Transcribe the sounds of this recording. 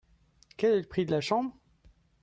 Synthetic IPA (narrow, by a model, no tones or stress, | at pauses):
kʲɛlɛləpχid̪əlaʃɑ̃bʁ